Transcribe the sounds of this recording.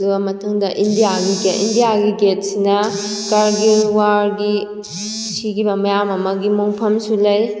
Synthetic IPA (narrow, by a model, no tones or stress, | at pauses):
luɐmɐtʰɐŋdɐʔindijaɡiɡindijaɡiɡet̚sinɐkɐɾɡiwaɾɡi | sikibɐmɐjamɐmɐɡimoŋpʰɐmsulɐj